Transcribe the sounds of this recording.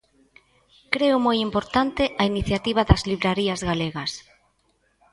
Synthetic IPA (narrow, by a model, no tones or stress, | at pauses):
kɾeʊmojimpoɾt̪ant̪ɪʔɐiniθjat̪iβ̞aðɐzliβɾaɾiɐzɣaleɣɐs